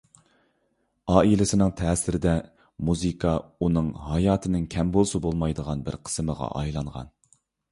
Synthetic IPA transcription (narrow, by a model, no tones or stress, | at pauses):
ɑːilɪsɪnɪŋt̪ʰɛːsɪɾɪd̪ɛ | muzɨkʰɑunɨŋɦɑjɑːt̪ʰɪnɪŋkʲʰɛmbolˠsɑbolˠmɑjd̪əʁɑnbɪ̰ɾqʰə̥sməʁɑ̰ʔɑjlˠɑɴʁɑ̰n